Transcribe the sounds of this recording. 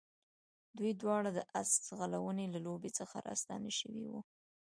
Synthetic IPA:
d̪ujd̪wɑɽad̪əʔaszɣalawənelalobet͡səxa̰ɾɑ̰st̪ɑ̰naʃəwḭwu

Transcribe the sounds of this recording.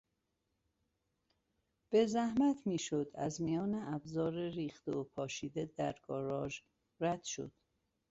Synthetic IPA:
b̥e̞zæhmæt̪ʰmiːʃod̪æ̰zmijɒːneʔæbzɒːɾeɾiːxt̪eopʰɒːʃiːd̪ed̪æɾɡɒːɾɒːʒ | ɾæd̪̥ʃo̞̰d̪̥

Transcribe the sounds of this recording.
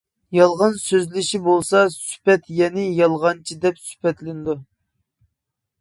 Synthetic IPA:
jɑlˠʁɑnsøzlɪʃibolˠsɑsy̥pɛt̪jɛnɪjɑlˠʁɑnt͡ʃʰid̪ɛpsy̥pɛt̪lɪnd̪u

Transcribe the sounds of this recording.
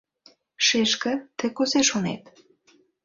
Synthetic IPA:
ʃeʃkə̆t̪ĕkoseʃonḛt̪

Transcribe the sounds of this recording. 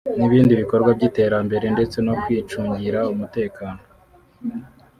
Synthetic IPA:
niβiːndiβiko̞ɾɡwab̚ɟiːte̞ːɾambe̞ɾe̞nde̞t͡se̞no̞kwiːt͡ʃuːɲɟiɾaumute̞ːkaːno

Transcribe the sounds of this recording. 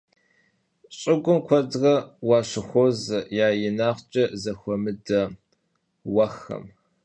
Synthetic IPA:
ɕʼɪɡʷʼʊmkʷʰɐdʁɐwɑːɕɪxʷozɨjaːjɪnaːqt͡ʃʼɐzɐxʷɔmɨdɐ | wɐxɐ̰m

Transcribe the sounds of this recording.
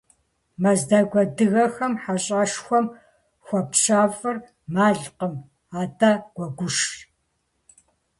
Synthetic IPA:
mɐzdɐɡʷɐdɨɣɐxɐmħaɕʼaʂxʷɔm | xʷɔpɕaːfʼɨr | maːɮqəm | aːtʰʼaɡ̥ʷɔɡʷʊʂɬ

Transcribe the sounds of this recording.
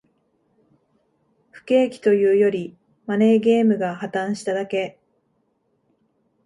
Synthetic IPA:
ɸɯ̥ke̞ːkʲi̥t̪o̞jɯ̟ːjo̞ɾʲi | mane̞ɡe̞ːmɯ̟ɡahat̪ãɰ̃ɕi̥t̪ad̪ake̞

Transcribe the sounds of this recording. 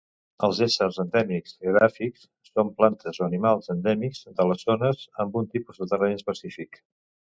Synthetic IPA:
əlˠzesərzənd̪ɛmikz̥əɾafiksːomplant̪ʰəzoənimalˠzənd̪ɛmikzd̪ələzonəzəmbunt̪ipuzðət̪ərɛnspəsifik

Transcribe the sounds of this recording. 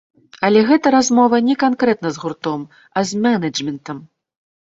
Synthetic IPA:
ɐlʲɛɣɛt̪ɐɾazmɔvɐnʲɛkankɾɛt̪nɐzɣurt̪ɔm | ɐzʲmʲɛnɐd͡ʐmʲɛnt̪ɐm

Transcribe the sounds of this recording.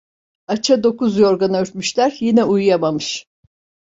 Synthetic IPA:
at͡ʃʰad̪o̞kuzjo̞ɾɡanaøɾt̪myʃlʲæɾjinɛujjamamɯʃ

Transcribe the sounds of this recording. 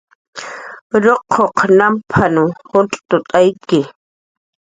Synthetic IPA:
ɾoqʰːoqnampʰanʊhʊt͡ɬʼt̪ʊt̪ʼajkɪ

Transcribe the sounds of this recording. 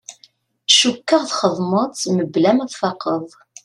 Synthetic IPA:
θʃukːəʁθχəðˤmətˤməblæmæðˤfɑqəðˤ

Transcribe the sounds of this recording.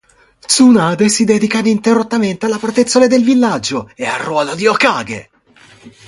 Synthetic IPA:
t̪sunaːd̪esid̪ɛd̪ikad̪int̪erot̪ːament̪ealːapɾt̪et̪sːoled̪elvilːad͡ʒːoea̰rːwɔːlod̪iokaːɡḛ

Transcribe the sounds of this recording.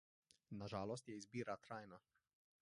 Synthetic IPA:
naʒaːlɔs̬t̪jɛizbiːɾat̪ɾaːjna

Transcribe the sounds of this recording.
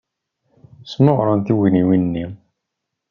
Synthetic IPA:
sməʁɾˤɑnt̪iwiniwinnːi

